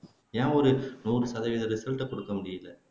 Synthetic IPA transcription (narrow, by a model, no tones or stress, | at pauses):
jãːɔɾɯnuːɾɯsɐðɐʋɪðɐɾɯsɛlʈːɐkːɔɽɯkːɐmʊɽɪjɪlːɐ